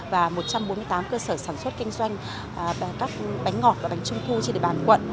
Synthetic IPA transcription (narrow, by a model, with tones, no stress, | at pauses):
vaː˨˩mo˨˩t̚t͡ɕa˧mɓo˨˦nmɨ˧əjt̪aː˨˦mkəː˧səː˧˩saː˧˩nswə˦˥t̚kï˧ŋ̟zwa˧jŋ̟˨ | kaː˦˥k̚ɓa˨˦jŋ̟ŋɔ˨˩t̚vaː˨˩ɓa˨˦ŋ̟t͡ɕʊ˧ŋ͡mt̪ʰu˧t͡ɕɗ̰ḭ˨ɓaː˧˨˩nkwə̰˧˨nʔ